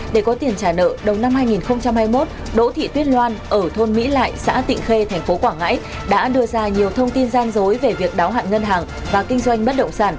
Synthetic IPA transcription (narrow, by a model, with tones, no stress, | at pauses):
ɗe˧˩kɔ˨˦t̪i˨˩ənt͡ɕaː˧˩nə̰ː˧˨ɗə˨˩wna˧mhaː˧jŋi˨˩nxə˧wŋ͡mt͡ɕa˧mhaː˧jmo˦˥t̚ | ɗo̰˧˥t̪ʰḭ˧˨t̪wi˦˥ənlwaː˧nʔəː˧˩t̪ʰo˧nmḭ˧˥la̰ː˧˨jsa̰ː˧˥t̪ḭ˧˨ŋ̟xe˧t̪ʰɛ˨˩ŋ̟fo˨˦kwaː˧˩ŋa̰ː˧˥j | ɗa̰ː˧˥ɗɨ˧əzaː˧ɲi˨˩əwt̪ʰə˧wŋ͡mt̪i˧nzaː˧nzo˨˦jve˨˩vi˨˩ək̚ɗaː˨˦wɦa̰ː˧˨nŋə˧nɦaː˨˩ŋ | vaː˨˩kï˧ŋ̟zwa˧jŋ̟ɓə˦˥t̚ɗə̰˧˨wŋ͡msaː˧˩n